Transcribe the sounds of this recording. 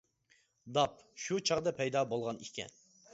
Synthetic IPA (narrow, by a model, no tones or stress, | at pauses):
d̪ɑp̚ʃut͡ʃʰɑʁd̪ɑpʰɛjd̪ɑːbolˠʁɑnikʲʰɛ̰n